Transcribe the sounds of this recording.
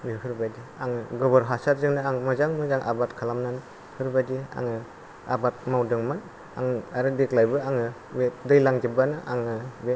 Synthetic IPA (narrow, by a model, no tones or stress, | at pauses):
miɾhɯɾbadiaŋɯɡɔbɔɾɦasatzɯŋnɯaŋmɯzaŋmɯzaŋʔa̰batkʰalamnanɯ | hɯɾbadia̰ŋɯ | a̰bat̚mawdɯŋmɯn | aŋaɾɯdeklajbɯaŋɯ | medɯjlaŋd͡ʒɯbanɯʔa̰ŋɯbe